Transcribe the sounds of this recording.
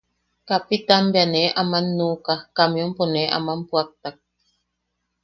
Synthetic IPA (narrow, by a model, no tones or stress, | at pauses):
kapit̪anbeaneʔamanːukahkamjomponeʔa̰mampuak̚t̪ak̚